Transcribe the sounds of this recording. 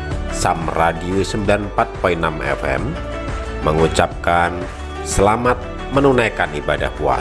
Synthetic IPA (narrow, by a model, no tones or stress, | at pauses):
samradiusəmbilanpat̪̚pɔinamɛ̰fɛ̰m | məŋut͡ʃap̚kan | səlamat̪̚ | mənunajkanibada̰hpua̰